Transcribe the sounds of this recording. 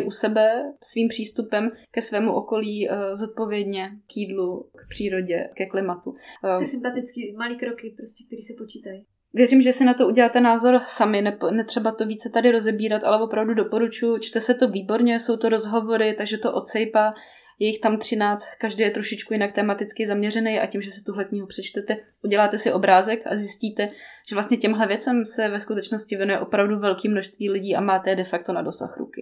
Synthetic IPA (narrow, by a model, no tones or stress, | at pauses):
ʔusɛbɛsviːmpr̝̥iːst̪upɛmkɛsvɛːmuʔo̞ko̞liːzot̪̚po̞vjɛdɲɛkjiːdlukpr̝̥iːɾo̞ɟɛkɛklɪmat̪usɪmpat̪ɪt͡skɪmaliːkɾokɪpɾoscʲɛk̚t̪ɛɾiːsɛpot͡ʃiːt̪aj | vjɛɾimʒɛsɪnat̪ouɟɛlaːt̪ɛnaːzo̞ɾsamɪnɛpnɛt̪r̝̥ɛbat̪o̞viːt͡sɛt̪adɪɾo̞zɛbiːɾat̪ʔa̰lɛvo̞pɾavdudo̞po̞ɾut͡ʃujʊt͡ʃt̪ɛsɛt̪o̞viːbo̞ɾɲɛso̞wt̪oɾo̞zɦo̞vo̞ɾɪt̪aɡʒɛt̪o̞ʔo̞t̪sɛjpaː | jɛjɪxt̪amt̪r̝̥ɪnaːt͡st̪̚kaʒdɛjɛt̪ɾoʃɪt͡ʃkujɪnak̚t̪ɛːmat̪ɪt͡skɪzamɲɛrɛnɛja̰cimʒɛsɪ̥t̪uɦlɛkɲɪɦupr̥ɛt͡ʃt̪ɛt̪ɛʔuɟɛlaːt̪ɛsɪʔo̞bɾaːzɛka̰zjɪsciːt̪ɛʒ̥ɛvlast̪ɲɛcɛmɦlɛvjɛt͡sɛmsɛvɛskut̪ɛt͡ʃnoscɪvjɛnujɛʔopɾavduvɛlkiːmːno̞ʃst̪viːlɪɟiːʔa̰maːt̪ɛɛdɛfak̚t̪o̞na̰do̞sa̰xɾṵkɪ